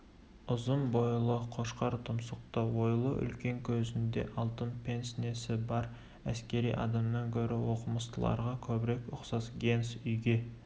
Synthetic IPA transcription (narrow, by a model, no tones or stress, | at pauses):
ʊzəmbojlˠəqʰo̞ʃqɑɾt̪ʰʊmsəq̚t̪ɑwojlˠəʔʏ̰lkʲe̞ŋkʲʰɵzɪnd̪e̞̰ʔɑlˠt̪ənpʰe̞nsne̞sɪbɑɾ | æskʲe̞ɾijʔɑ̰d̪ɑmnɑŋkʲʰɵɾɪwo̞qəməst̪əlˠɑ̰ɾʁɑkʲʰɵbɪɾe̞kʊqsɑsɡʲe̞nsʏjɡʲe̞